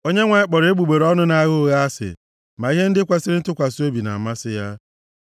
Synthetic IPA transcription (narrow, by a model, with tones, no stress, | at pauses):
o˦ɲe˦ŋʷa˨ɪ˦k͡pɔ˨ɾe˦ɡ͡bu˨ɡ͡be˨ɾɔ˦nʊ˦na˦ɣo˦ɣa˦a˦sɪ̰˨ | ma˨i˦ɦe˦n̩˦dɪ˦kʷa˦sɪ˦ɾɪ˦tʊ˦kʷa˨so˦bi˨na̰˨a˨ma˦sɪ˦ja˦